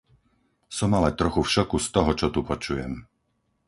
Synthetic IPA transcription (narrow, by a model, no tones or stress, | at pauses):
sɔmalɛt̪ɾɔxufʃɔkust̪ɔɦɔt͡ʃɔt̪upɔt͡ʃujɛm